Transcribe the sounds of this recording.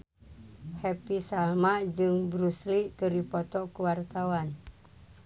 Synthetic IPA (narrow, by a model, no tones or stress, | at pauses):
hɛpisalmad͡ʒɨŋbɾusliʔkəɾipɔt̪ɔkuwart̪awan